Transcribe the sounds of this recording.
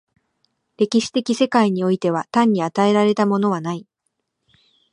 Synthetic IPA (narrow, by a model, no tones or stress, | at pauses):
ɾe̞kʲiɕi̥t̪e̞kʲise̞kaiɲ̟io̞it̪e̞β̞at̪ãɲ̟ːiat̪ae̞ɾaɾe̞t̪amo̞no̞β̞anai